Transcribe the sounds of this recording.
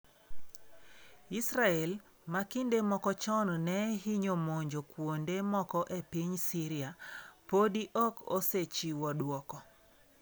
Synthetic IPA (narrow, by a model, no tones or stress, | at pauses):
isɾaɛl | makindemɔkɔt͡ʃɔnnɛɦiɲomoɲd͡ʒokwondemɔkɔʔepiɲsiɾɪapodiʔɔkoset͡ʃiwɔdwɔkɔ